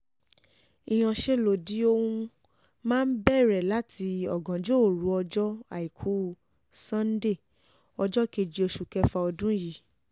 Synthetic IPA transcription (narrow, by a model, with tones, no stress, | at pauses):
i˧˨j̃ɔ̃˧˨ʃe˦lo˨di˨˦o˦wũ˧ | mãː˦n̩˦bɛ˦˨ɾɛ˨la˦tʰi˧ɔ˨ɡã˨d͡ʒo˦˨ɾu˨˧˦ɔ˧d͡ʒɔ˦a̰˨i˨kʰu˨˦ | sã˦n̩˦de˦˨ | ɔ˧d͡ʒɔ˦ke˧d͡ʒi˧o˧ʃu˨kɛ˧fa˧ɔ˧dũ˦ji˨